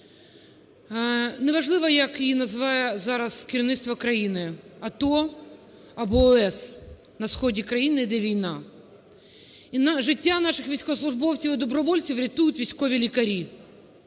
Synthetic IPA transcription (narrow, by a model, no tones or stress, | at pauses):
nɛʋɐʒlˠɪʋɐjɐkinɐzʋɑjɛzɑɾɐskʲɪɾʲiʋnɪt̪st̪ʋɔkɾɐjinɪɐt̪ɔ | ɐbɔːɛs | nɐsxɔdʲikɾɐjinɪid̪ɛʋʲijnɑ | inʒɪtʲːanɑʃɪxʋʲijsʲkɔslˠʊʐbɔwt͡sʲiʋɪd̪ɔbɾɔʋɔlʲt͡sʲiwɾʲɐt̪ujʊtʲʋʲisʲkɔʋʲilʲikɐɾʲi